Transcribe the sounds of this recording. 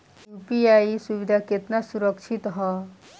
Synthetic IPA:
jupiaisuʋid̪ʱaket̪nasuɾəkʃʰit̪ɦɔ

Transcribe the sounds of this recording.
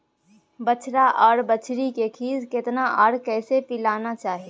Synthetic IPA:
bət͡ʃʰɾaʔɔːɾbət͡ʃʰɾikekʰiːzkɪt̪naʔɔːɽkɛːsepɪlaːnat͡ʃaːɦeː

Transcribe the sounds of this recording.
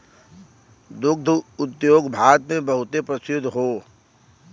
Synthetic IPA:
d̪ʊɡ̚d̪ʱʊt̪joːɡbʱaːɾət̪mẽbɐɦʊt̪epɾəsɪd̪ʱːɦoː

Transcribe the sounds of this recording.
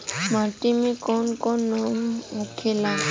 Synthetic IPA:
matimikɔnkɔnɔmmukʰɪla

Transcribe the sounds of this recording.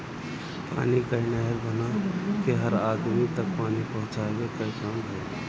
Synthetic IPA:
pa̰ːnikainəɦɛɾbənakeɦəɾaːd̪mit̪ək̚paːnipəɦʊ̃t͡ʃabekəikaːmbə

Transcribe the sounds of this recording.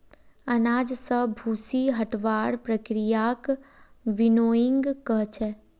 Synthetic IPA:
ɐnaːd͡ʒsəbʱuːsiɦɐʈʋaːɽpɾəkɾijaːk | ʋɪnoːɪ̃ŋɡkəɦt͡ʃʰɛ

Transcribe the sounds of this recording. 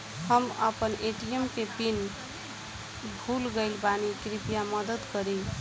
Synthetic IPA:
həmə̰pəneʈiemkepin | bʱulɡəɪlbanikɾipijaməd̪əd̪kəɾi

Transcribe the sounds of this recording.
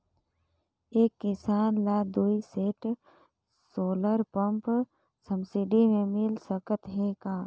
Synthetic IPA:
eːkːɪsaːnlaːd̪uːiseːʈ | soːləɾpəmp | səmsɪɖimẽmɪlsəkət̪ɦẽːkaː

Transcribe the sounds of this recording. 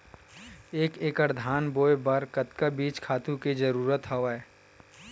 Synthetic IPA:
eːkeːkəɾd̪ʱaːnboːebɐɾkət̪kabiːt͡ʃkʰaːt̪ũkid͡ʒəɾuːɾət̪ɦɐʋaɛː

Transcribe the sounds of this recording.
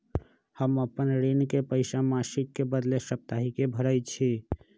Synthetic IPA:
həməpənɾenkepəɪsamasikːebəd̪lesəp̚t̪aɦikebʱəɾəjt͡ʃʰi

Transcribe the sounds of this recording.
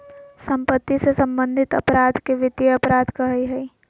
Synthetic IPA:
sɐ̃mpət̪ːisesɐ̃mbə̃nd̪ʱɪt̪ɐ̰pɾaːd̪ʱkeʋɪd̪jeɐpɾaːd̪ʱkɐɦiɦɛi

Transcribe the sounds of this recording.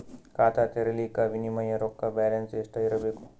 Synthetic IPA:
kaːt̪ʰat̪eɾɐlikaʋinimɐjɐɾokːabɛːlɐnsesʈɐiɾɐbeːku̥

